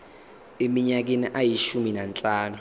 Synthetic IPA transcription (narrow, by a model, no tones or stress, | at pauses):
emiɲak̬eniʔajiʃuminant͡ɬʼaːnu